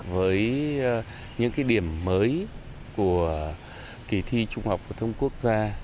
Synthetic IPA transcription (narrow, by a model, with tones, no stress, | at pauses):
vəː˨˦j | ɲɨ̰˧˥ŋkaː˨˦jɗi˧˩əmːəː˨˦j | ku˧˩ə | ki˧˩t̪ʰi˧t͡ɕʊ˧ŋ͡mha˨˩wk͡p̚fu˨˩t̪ʰə˧wŋ͡mku˦˥ək̚zaː˧